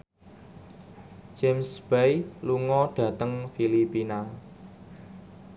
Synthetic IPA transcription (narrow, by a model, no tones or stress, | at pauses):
d͡ʒemsbɛjluŋɔɖ̥ä̤t̪əŋfilipina